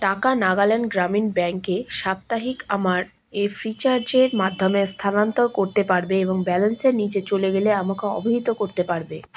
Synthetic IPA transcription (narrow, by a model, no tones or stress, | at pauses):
ʈakanaɡalenɡɾaminbɛŋkeʃap̚t̪aɦikamaɾ | efɾit͡ɕaɾd͡ʑeɾmad̪ʱːomest̪ʰanant̪oɾkoɾt̪epaɾbeeboŋbɛlenseɾnid͡ʑet͡ɕoleɡeleamakeɔ̰bʱiɦit̪okoɾt̪epaɾbe